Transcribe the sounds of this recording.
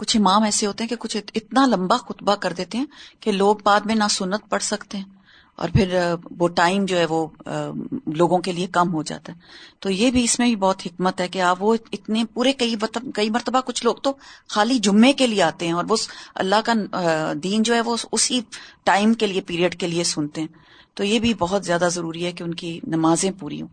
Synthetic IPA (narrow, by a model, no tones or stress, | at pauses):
kʊt͡ʃʰɪmaːmɛːseɦoːt̪eɦɛ̃kekʊt͡ʃʰɪt̪nalɐ̃mbaxʊt̪bakɐɾd̪eːt̪eɦɛ̃keloːɡ̚baːd̪mẽnasʊnːət̪̚pɐɽsɐkt̪eɦɛ̃ː | ɔ̰ːɾpʰɪɾʋoʈaːɪmd͡ʒoːɦɛʋo | loːɡõkeliekɐmɦod͡ʒa̰ːt̪aɦɛːt̪ojebʱiɪsmẽbʱibɔːt̪ɦɪkmət̪ɦɛkeaːpʋoɪt̪nepuːɾekɐit̪kɐimɐɾt̪əbakʊt͡ʃʰloːɡ̚t̪oxaːlid͡ʒʊmːekelieaːt̪eɦɛ̃ɔːɾʋoɐ̰lːaɦkad̪iːnd͡ʒoːɦɛʋoʊsiʈaːɪmkeliepiːɾiəɖkeliesʊnt̪eɦɛ̃ː | t̪ojebʱibɔɦʊt̪zjaːd̪azɐɾuːɾiɦɛkeʊnkinɐmaːzẽpuːɾḭɦõ̰ː